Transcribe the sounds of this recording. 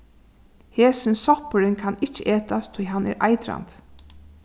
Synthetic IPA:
heːsɪnsɔpəɾɪnkʰɑnɪt͡ʃːəʔeːt̪ast̪ʰɔjɦanɛ̰ːɾʔɑɪt̪ɾa̰nt̪

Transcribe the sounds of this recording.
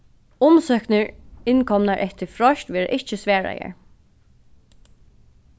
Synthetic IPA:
ʊmsœːknəɹɪnkʰɔmnaɹʔɛht̪əɹfɹɔʃt̪ʋɛːɹə̰ʔɪht͡ʃəsʋæːɹa̰jə̰ɹ

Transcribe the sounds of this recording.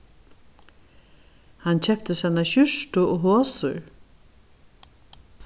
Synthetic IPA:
hant͡ɕʰɛp̚t̪əsanaɕʏʂt̪ʊɔɦoːsʊ̰ɾ

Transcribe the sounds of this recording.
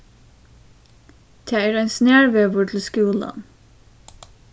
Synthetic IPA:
d̪̥ʰeːæːɹæɪnsnæːɹʋeːʋʊɹt̪ʰl̩skuːlə̰n

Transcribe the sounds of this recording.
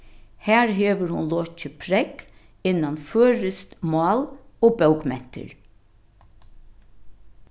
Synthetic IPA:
hæːɹɦeːʋəɾhʊnlɔt͡ʃəpʰɾɛk | ɪnːɑnføːɹəst̪mɑːloːbœwɡmɛn̥t̪ʰə̰ɹ

